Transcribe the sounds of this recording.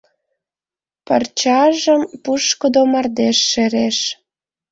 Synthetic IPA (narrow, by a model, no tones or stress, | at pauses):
pə̰rt͡ɕɑʒəmpuʃkod̪omɑrd̪eʃːeɾeʃ